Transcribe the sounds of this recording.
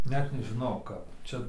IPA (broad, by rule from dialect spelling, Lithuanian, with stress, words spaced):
ˈnʲɛt nʲɛʒʲɪˈnɐʊ ˈkɐp ˈt͡ʃʲɛ